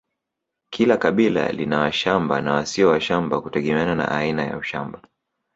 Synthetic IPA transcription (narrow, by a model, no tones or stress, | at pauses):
kʰilakaɓila̰linawaʃambanawasiɔwaʃambakutɛɠɛmɛanana̰ʔainaja̰uʃamba